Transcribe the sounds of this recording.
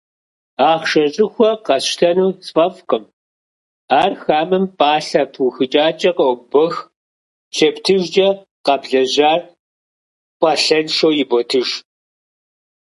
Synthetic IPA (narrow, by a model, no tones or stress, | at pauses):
aːχʃɐɕʼɪxʷɔqɐɕɬʰɐnuːsfʼɐfqəm | aːrxaːmɨmpʼaːɬɐpʰwʊxɨt͡ʃʼaːt͡ʃʼɐqɐwbɔx | ʃɐptʰɨʒd͡ʒɐ | qɐbɮɐʑaːr | pʷʼɐɬɐnʃowjɪbɔtʰɨʒ